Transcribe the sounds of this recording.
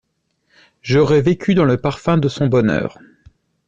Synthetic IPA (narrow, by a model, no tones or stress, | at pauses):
ʒɔʁɛvekʲyd̪ɑ̃ləpaʁfɛ̃d̪əsɔ̃bɔnœ̰ːʁ